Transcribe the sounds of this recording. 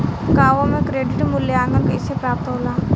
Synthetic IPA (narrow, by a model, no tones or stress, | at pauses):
ɡaːʋomẽkɾeːɖɪʈmʊlːjeãːŋɡəlkeɪsepɾaːp̚t̪ɦoːlaː